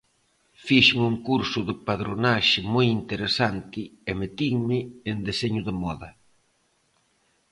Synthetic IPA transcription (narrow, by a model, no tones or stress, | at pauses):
fiʃmuŋkuɾsʊðɪpaðɾonaʃɪmojint̪eɾesant̪ɪɛmet̪iŋmɪːnd̪eseɲʊðɪmɔðɐ